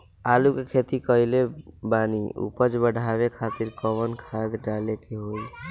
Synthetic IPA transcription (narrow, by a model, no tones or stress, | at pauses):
alukekʰet̪ikəilebanḭṵpəd͡ʒbəɽʱaβekʰat̪iɾkəβənkʰad̪ɖalekeɦoj